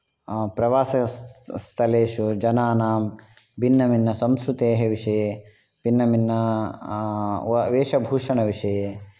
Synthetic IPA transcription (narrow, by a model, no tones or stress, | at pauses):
pɾɐʋaːsɐst̪ʰɐleːʂud͡ʒɐnaːnaːm | bʱinːɐminːɐsɐmskɾut̪eːɦeʋiʂɐjeː | pinːɐminːɐ | ʋeːʂɐbʱuːʂɐɳɐʋiʂɐjeː